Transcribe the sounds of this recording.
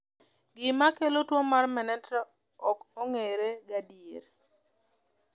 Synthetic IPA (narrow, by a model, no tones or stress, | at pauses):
ɡɪmakelotwomarmɛnɛtɾa | ɔkoŋeɾeɡadieɾ